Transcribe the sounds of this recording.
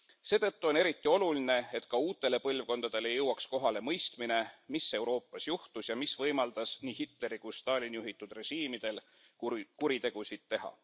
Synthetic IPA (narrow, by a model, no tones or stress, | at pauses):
se̞ːt̪ɤ̞t̪ːuo̞ne̞ɾit̪ːˑio̞luline̞et̪kɑuːt̪ːˑe̞le̞pɤlvko̞nd̪̥ɑd̪̥e̞le̞jɤwːɑksko̞ɦɑle̞mɤjst̪mine̞mise̞wɾo̞ːpˑːɑsjuht̪usjɑmisvɤjmɑld̪̥ɑsniːɦit̪ˑle̞ɾikust̪ɑːlʲinjuɦit̪ːˑud̪̥re̞ʃiːmid̪̥e̞l | kuɾit̪e̞ɡ̥usid̪̥t̪ːe̞ɦɑ̰